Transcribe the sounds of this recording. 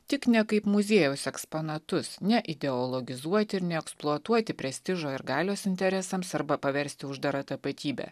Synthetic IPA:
t̪ʲɪknʲɛkɐɪpmʊzʲeːjɛʊsɛkspoːnɐt̪ʊsnʲɛʔɪd̪ʲɛɔlˠɔɡʲɪzuɔt̪ʲɪɪɾnʲɛɛksplˠuɔt̪uɔt̪ʲɪpʲɾʲɛsʲt̪ʲɪʒoːɪɾɡɑːlʲoːsɪnʲt̪ʲɛɾʲɛsɐmsɐɾbɐpɐʋʲɛɾʲsʲt̪ʲɪʊʒd̪ɐɾɐt̪ɐpɐt̪ʲiːbʲɛ̰ː

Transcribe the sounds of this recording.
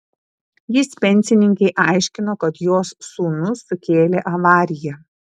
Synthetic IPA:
jɪspʲɛnʲˑsʲɪnʲɪŋʲkʲɛɪʔɑˑɪʃʲkʲɪnoːkɐt̪joːsːuːnʊsːʊkʲeːlʲeːʔɐʋɑːɾʲɪjɛ

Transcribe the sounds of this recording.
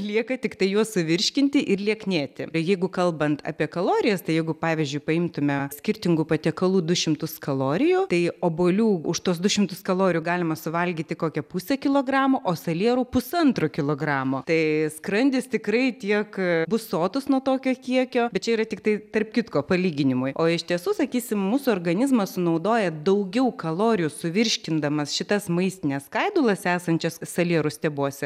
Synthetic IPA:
lʲiɛkɐt̪ʲɪkt̪ɐɪjuɔsʊʋʲɪɾʲʃʲkʲɪnʲt̪ʲɪʔɪrlʲiɛknʲeːt̪ʲɪ̰jɛɪɡʊkɐlˠbɐnt̪ʰɑ̰ːpʲiɛkɐlˠoːɾʲɪjɛst̪ɐɪjɛɪɡʊpɑːʋʲɪzʲd͡ʒʲʊɪpɐɪmt̪ʊmʲɛsʲkʲɪɾʲt̪ʲɪŋɡʊpɐt̪ʲɛkɐlˠuːd̪ʊʃʲɪmt̪ʊskɐlˠoːɾʲɪjʊt̪ɐɪoːboːlʲuːʊʃt̪uɔsd̪ʊʃʲɪmt̪ʊskɐlˠoːɾʲɪjuːɡɑːlʲɪmɐsʊʋɐlʲɡʲiːt̪ʲɪkoːkʲɛpusʲɛkʲɪlˠoːɡrɑːmoːʔoːsɐlʲiɛɾʊːpʊsɐnt̪ɾoːkʲɪlˠoːɡrɑːmoːt̪ɐɪskɾɐnʲd̪ʲɪst̪ʲɪkɾɐɪt̪ʲiɛkbʊsoːt̪ʊsnuɔt̪oːkʲoːkʲiɛkʲoːbʲɛt̪t͡ʃʲɛiːɾɐt̪ʲɪkt̪ɐɪt̪ɐrpʲkʲɪt̪koːpɐlʲiːɡʲɪnʲɪmʊjoːɪʃʲt̪ʲiɛsuːsɐkʲiːsʲɪmmuːsʊɔːrɡɐnʲɪzmɐssʊnɐʊd̪oːjɛd̪ɐʊɡʲɛʊkɐlˠoːɾʲɪjusʊʋʲɪɾʲʃʲkʲɪnd̪ɐmɐsʃʲɪt̪ɐsmɐɪsʲt̪ʲɪnʲɛskɐɪd̪ʊlˠɐsæːsɐnʲt͡ʃʲɛssɐlʲiɛɾʊst̪ʲɛbuɔsʲɛ

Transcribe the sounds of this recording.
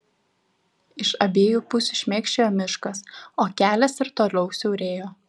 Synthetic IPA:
ɪʃɐbʲeːjuːpʊsʲuʃʲmʲeːkʃʲt͡ʃʲeːjoːmʲɪʃkɐsoːkʲæːlʲɛsɪɾt̪oːlʲɛʊsʲɛʊɾʲeːjoː

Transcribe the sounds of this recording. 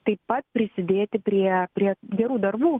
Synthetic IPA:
t̪ɐɪppɐt̪̚pʲɾʲɪsʲɪd̪ʲeːt̪ʲɪpʲɾʲiɛpʲɾʲiɛɡʲɛɾuːd̪ɐɾbuː

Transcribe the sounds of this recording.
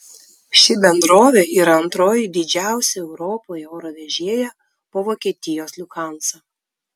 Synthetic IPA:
ʃʲɪbʲɛnd̪ɾoːʋʲeiːɾɐɐnt̪ɾoːjɪd̪ʲɪd͡ʒʲæˑʊsʲɛɛʊɾoːpoːjɛoːɾoʋʲɛʒʲeɛjɛ | poːʋoːkʲiɛt̪ʲɪjoːslʲʊkɑˑnsɐ

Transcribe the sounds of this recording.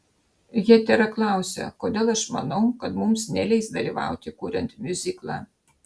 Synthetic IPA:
jʲɛt̪ʲæɾɐklˠɑwsʲɛ̰kod̪ʲelˠɐʃmɐ̰noʊkɐt̪mumsnʲɛlʲɛɪsd̪ɐlʲiʋɑ̰wt̪ʲɪkuːɾʲɛnt̪ʲmʲuzʲiklˠɑ̰

